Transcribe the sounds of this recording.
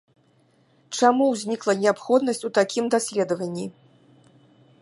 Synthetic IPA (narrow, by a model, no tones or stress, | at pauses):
t͡ʂamuwzʲnʲiklˠɐnʲɛapxɔd̪nɐsʲt͡sʲut̪akʲimd̪asʲlʲɛd̪ɐvɐnʲːi